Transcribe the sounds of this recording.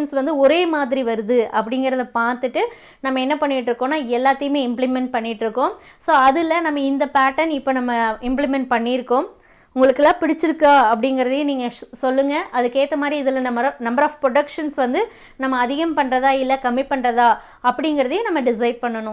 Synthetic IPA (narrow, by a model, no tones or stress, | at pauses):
nsʋɐnd̪ɯɔɾeːmaːðɪɾiʋɐɾɯðɯʔɐpːɐɽɪŋɡɪɾɐðɐpaːɾt̪ɯʈːɯ | nɐmːɐɛnːɐpɐɳːɪʈːɾɯkːõːnːaːɛlːaːt̪ːɐjɯmeːɪmplɪmɛɳʈ̚pɐɳːɪʈːɾɯkːʊ̃soːɐðɯlːɐnɐmːɐɪnd̪ɐpaːʈːɐnɪpːoːnɐmːɐɪmplɪmɛɳʈ̚pɐɳːɪɾɯkːʊ̃m | ʊŋɡɐɭɯkːɛlːãːpɪɽɪt͡ʃːɪɾɯkːaːɐpːɐɽɪŋɡɪɾɐðejẽniːŋɡɐsɔlːɯŋɡɐʔɐðɯkeːt̪ːɐmaːd̪ɾiɪðɪlɐnɐmːɐɾnɐmbɐɾaːfpɾɔɽɐkʂɐnsʋɐnd̪ɯ | nɐmːɐːðɪɣɐmpɐɳrɐðaːɪlːɐkɐmːɪpːɐɳrɐðaː | ɐpːɐɽɪŋɡɪɾɐðɐjẽnɐmːɐɖɪs̬ɐɪɖ̚pɐɳːɐnʊ̃